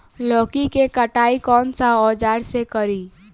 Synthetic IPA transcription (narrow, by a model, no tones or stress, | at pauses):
lɔːkikekəʈaikɔːnsaɔːd͡ʒaːɾsekəɾi